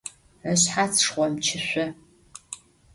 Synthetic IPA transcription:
əɕħat͡sʰʂχʷɔmt͡ʃʰɪɕʷɔ

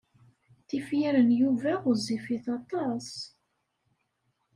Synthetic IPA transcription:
θifjiɾənjuvæʊzifiθɑt̪ˤɑs

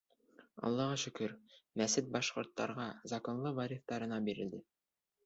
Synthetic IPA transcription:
ɑ̰lˠːɑʁɑʃɵ̆kɵɾmæsɘt̪̚bɑʃqŏɾt̪ːɑɾʁɑzɑkonlˠɤvɑɾʲit̪d̪ɑɾɤ̆nɑbiɾɘ̆ld̪ɘ

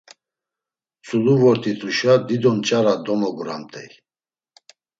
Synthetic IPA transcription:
t͡sʼuluvɔɾt̪ʰʼit̪ʰʼuʃad̪id̪ɔnt͡ʃʼaɾad̪ɔmɔɡuɾa̰mt̪ʼʰɛ̰j

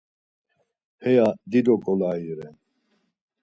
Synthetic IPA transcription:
hɛjad̪id̪ɔkʼɔlaiɾɛn

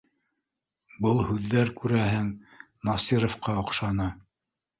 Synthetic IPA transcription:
bɤlˠhʉðːæɾkʉɾæɦɘŋ | nɑsiɾŏfqɑŏqʃɑnɤ

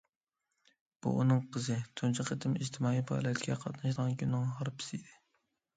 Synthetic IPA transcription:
b̥ṵʔṵnɨŋqʰəzɨt̪ʰunt͡ʃʰɪqʰet̪ʰɪmiʒt̪ʰɪmɑːijbʰɑ̰ːlɛt̪ʰʲɡʲɛqʰɑt̪nɨʃd̪əʁɑnkʰʲynːɨŋɦɑɾpʰɪ̥sɪid̪ɪ

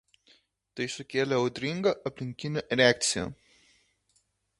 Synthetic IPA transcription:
t̪ɐɪsʊkʲeːlʲɛɐʊd̪ʲɾʲiŋɡɐʔɐpʲlʲɪŋʲkʲinʲɛʔɾʲeak̚t̪sʲɪjɛ̰

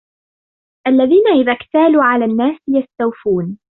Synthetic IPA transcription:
ʔalːaðiːnaʔɪðakt̪aːluːʕalaːnːaːsjast̪awfuːn

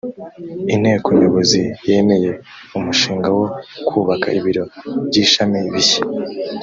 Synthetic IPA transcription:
in̥he̞ːkoɲoβo̞zije̞ːme̞je̞ | umuʃiːŋɡawo̞kʰuːβakaiβiɾo̞bɟiːʃamiβiçḁ

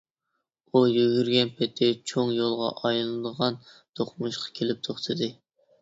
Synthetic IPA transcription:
ujyɡʲyɾɡʲɛnpʰɛt̪ʰːɪt͡ʃʰoŋjolˠʁɑ̰ʔɑjlˠɨd̪əʁɑnt̪ʰoχmuʃqʰɑ̥kʲʰelɪp̚t̪ʰoχt̪ʰɨd̪ɨ

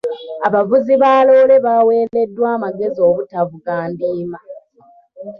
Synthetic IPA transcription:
aβavuziβaːlo̞ːle̞βawe̞ːle̞dːwaːmaɡe̞zio̞ːβutavuɡaːndiːma

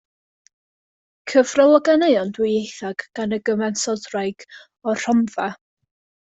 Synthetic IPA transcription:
kʰəvrɔlˠɔɡanejɔndwɪejθaɡ̥ɡ̥anəɡəmɛnsɔdrajɡ̥ | ɔr̥ɔmva

